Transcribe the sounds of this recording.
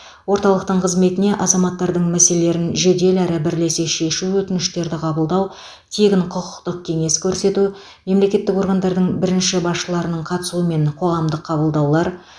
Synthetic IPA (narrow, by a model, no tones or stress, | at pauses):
wo̞ɾt̪ɑlˠəqt̪əɴqʰəzme̞t̪ɪne̞ʔɑzɑmɑt̪ːɑɾd̪əɴmæselele̞ɾɪnʒe̞d̪e̞læɾɪbɪɾle̞se̞ʃe̞ʃuwɵt̪ɪnɪʃt̪e̞ɾd̪ɪqʰɑbəlˠd̪ɑw | t̪ʰe̞ɡʲɪɴqʰʊqʊ̥qt̪əq̚kʲʰe̞ŋe̞skʲʰɵɾse̞t̪u | me̞mle̞kʲe̞t̪ːɪko̞ɾɡɑnd̪ɑɾd̪əɴbɪɾɪnʃɪbɑsʃəlˠɑɾənəɴqʰɑt̪əsuəme̞ɴqʰo̞ʁɑmd̪əqʰːɑbəlˠd̪ɑwlˠɑɾ